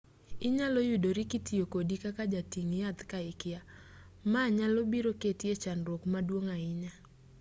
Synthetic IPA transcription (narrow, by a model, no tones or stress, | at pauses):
ɪɲalojudoɾikitiokodikakad͡ʒatiŋjat̪kaɪkɪja | maɲalobiɾoketiet͡ʃanɾwokmadwoŋaɪɲa